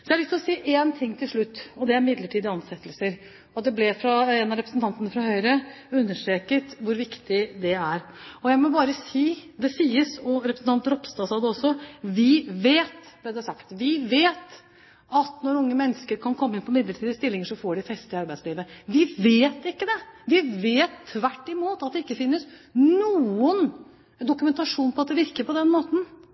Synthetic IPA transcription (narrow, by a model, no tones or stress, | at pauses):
sɔjæɭʏst̪ɪlɔsiːʔeːnt̪ʰɪŋːt̪ʰɪlʂɭʉt̪ːɔd̪ɛæɾmɪd̪ləʈʰiːd̪əɑnsɛt̪ːəlsəɾ | ɑt̪̚d̪ɛblɛfɾɑɛnɑɾɛpɾəsn̩t̪ʰɑnt̪ənəfɾɑhœʏɾəʉnːəʂʈɾeːkət̪ʋʊɾʋɪkt̪ɪd̪ɛæɾɔjæɪmɔbɑːɾəsiːd̪ɛsiːəsɔɾɛpɾəsn̩t̪ɑnt̪ɾɔpst̪ɑːsɑd̪əɔsɔʋɪʋeːt̪d̪ɛd̪ɛæʂɑkt̪ʋɪʋeːt̪ | ɑt̪nɔɾʊŋːəmɛnːəskəɾkʰɑnkʰɔmːəɪnpʰɔmɪd̪ləʈʰiːd̪əst̪ɪlːɪŋəʂɔfoːɖɪfɛst̪ɪɑɾbæɪd̪sliːʋəʋɪʋeːt̪ɪkːəd̪ɛʋɪʋeːt̪ʰːʋæʈːɪmuːt̪ɑt̪̚d̪ɛɪkːəfɪnːəsnuːən | d̪ʊkʉmɛnt̪ɑʂuːnpʰɔɑt̪̚d̪ɛʋɪɾkəɾpɔd̪ɛnmoːt̪n̩